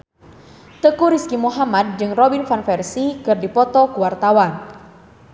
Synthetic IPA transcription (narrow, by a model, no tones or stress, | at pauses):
t̪əkuɾiskimuɦamad̚d͡ʒɨŋrɔbinfanfɛrsikɨrdipɔt̪ɔkuwart̪awan